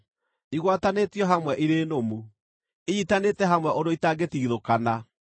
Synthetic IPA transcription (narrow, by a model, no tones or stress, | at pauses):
niɣwatanetjɔɦamwɛʔiɾeːnomu | eitanetɛɦamwɛʔoɾoitaɡetiːðokana